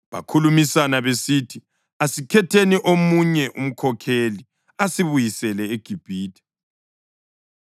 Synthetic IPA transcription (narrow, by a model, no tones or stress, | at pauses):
βa̰kʰulumisanaβesitʰi | asikʰɛtʰeniʔomuɲɛʔṵm̩kʰɔkʰeli | asiβujisɛlɛeɡ̥ʱib̥ʱiːtʰɛ̥